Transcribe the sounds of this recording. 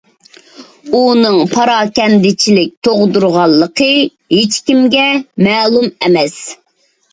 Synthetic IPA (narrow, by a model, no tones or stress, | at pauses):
unɨŋpʰɑɾɑːkʲɛnd̪ɪt͡ʃʰilɪk̚ʲt̪ʰoʁd̪uɾʁɑlˠːəqʰə | ɦet͡ʃkʲimɡʲɛmɛːlˠumɛmɛs